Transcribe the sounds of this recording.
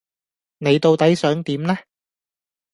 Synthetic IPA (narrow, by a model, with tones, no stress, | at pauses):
ne˨˧jt̪o˧wt̪ɐ˨˥jsœː˨˥ŋt̪iː˨˥mlɛː˥